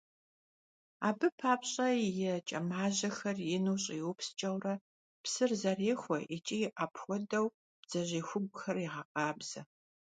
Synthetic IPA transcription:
aːbɨpʰaːpɕʼɐjɛt͡ʃʼɐmaːʑɐxɐrjɪnuːɕʼijwʊpst͡ʃʼɐwrɐ | psɨrzɐreːxʷɔʔit͡ʃʼijʔaːpʰxʷɔdɐw | b̥z̥ɐʑiːxʷʊɡʷʼʊxɐriʁɐqʼɑːbz̥ɐ

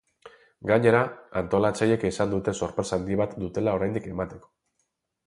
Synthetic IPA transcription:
ɡaɲe̞ɾaant̪o̞lat͡saje̞kisand̪ut̪e̞so̞ɾpɾesand̪iβat̪d̪ut̪e̞lao̞ɾajnd̪ike̞mat̪e̞ko̞̥

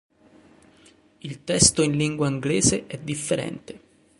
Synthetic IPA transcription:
ilt̪ɛst̪oinliŋɡwaiŋɡleːzeʔɛd̪ːifːeɾɛ̰nt̪e

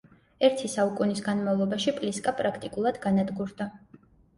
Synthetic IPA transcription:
ɛɾt̪ʰisaukʼunisɡanmavlˠɔbaʃipʼliskʼapʼɾakʰt̪ʼikʼulˠad̪̥ɡanad̪ɡuɾd̪̥a

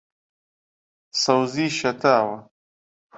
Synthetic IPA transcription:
sawziʃat̪aːwa

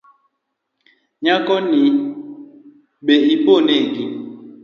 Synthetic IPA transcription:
ɲakɔni | ɓeʔiponeɡim

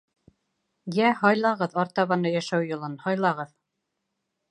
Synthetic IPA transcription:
jæhɑjlˠɑʁɤðɑɾt̪ɑβɑnɤjæʃæwjŏlˠɤnhɑjlˠɑʁɤð

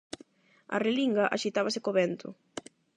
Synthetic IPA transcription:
a̰reliŋɡaʔaʃit̪aβasɪkoβɛnt̪ʰʊ̰

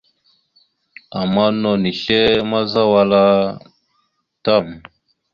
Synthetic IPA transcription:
amanːoniɕemazawala | t̪am

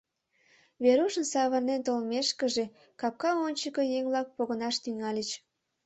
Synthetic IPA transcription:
βeɾuʃənsɑβərnent̪olmeʃkəʒe̽ | kɑp̚kɑonʲt͡ɕəkəjeŋβlɑk̚poɣənɑʃt̪yŋɑlʲət͡ɕ

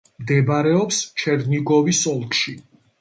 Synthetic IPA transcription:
md̪ɛbaɾɛɔpst͡ʃʰɛɾniɡɔvisɔlˠkʃi

